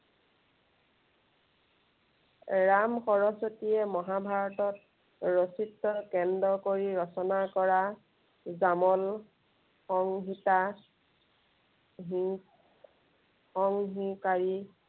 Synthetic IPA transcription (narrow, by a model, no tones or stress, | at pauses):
ɹamxɔɹɔsotijɛmɔɦabʱaɹɔtɔt | ɹositːɔkɛndɔkoɹiɹɔsɔnakɔɹa | zamɔl | xɔŋɦita | ɦ | ɔŋɦikaɹi